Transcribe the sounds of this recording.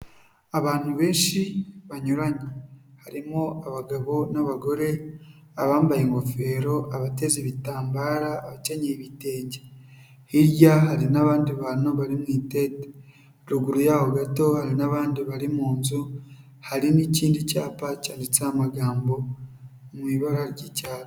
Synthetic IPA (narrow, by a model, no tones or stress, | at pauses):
aβaːn̥huβe̞ːnʃiβaɲuɾaɲehaɾimoaβaɡaβo̞naβaɡo̞ɾe̞ | aβaːmbajeŋɡo̞fe̞ːɾo̞ʔaβate̞ziβitaːmbaːɾaːβaceɲeβite̞ːɲɟe | hiɾjaɦaɾinaβaːndiβanoβaɾimŋiːteːte̥ | ɾuɡuɾujaːhoɡato̞haɾinaβaːndiβaɾimuːnzu | haɾiniciːndicaːpacaːndit͡samaɡaːmbo̞ | mwiːβaɡaɾɟicaːβo